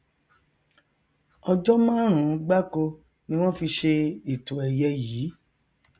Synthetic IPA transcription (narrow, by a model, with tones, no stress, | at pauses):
ɔ˧d͡ʒɔ˦mã˦ɾ̃ũ˨˧˦ɡ͡ba˦ko˧ | nĩ˧˦w̃ɔ̃˦fi˧ʃe˧i˨to˨ɛ˨jɛ˧jiː˨˦